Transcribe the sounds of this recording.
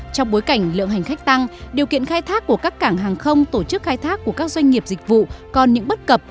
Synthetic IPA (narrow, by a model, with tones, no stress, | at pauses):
t͡ɕɔ˧wŋ͡mɓo˨˦jka˧˩jŋ̟lɨ̰˧˨əŋɦa˨˩ŋ̟xa˦˥k̟̚t̪a˧ŋɗi˨˩əwkḭ˧˨ənxaː˧jt̪ʰaː˦˥kːu˧˩əkaː˦˥kːaː˧˩ŋɦaː˨˩ŋxə˧wŋ͡mt̪o˧˩t͡ɕɨ˦˥k̚xaː˧jt̪ʰaː˦˥kːu˧˩əkaː˦˥k̚zwa˧ŋ̟ŋi˨˩əp̚zi˨˩k̟̚vṵ˧˨kɔ˨˩nɲɨ̰˧˥ŋɓə˦˥t̚kə˨˩p̚